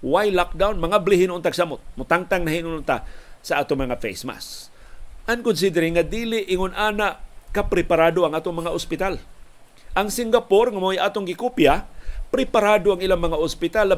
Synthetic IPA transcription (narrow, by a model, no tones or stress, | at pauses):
wajlak̚d̪awnmaŋablɪɦɪnʊnt̪aɡ̥samʊt̪̚mʊt̪aŋt̪aŋnaɦinʊnʊnt̪asaʔaːt̪oŋmɐŋafḛjsma̰s | ʔankʊns̬id̪ɛɾɪŋad̪iːlɪʔɪŋʊnʔaːnaʔkapɾɪpaɾad̪oaŋʔaːt̪oŋmɐŋaʔʊspɪt̪al | ʔaŋsɪŋɡapoɾŋamojʔaːt̪oŋɡɪkupjapɾɪpaɾad̪oaŋilaŋmɐŋaʊspɪt̪alːa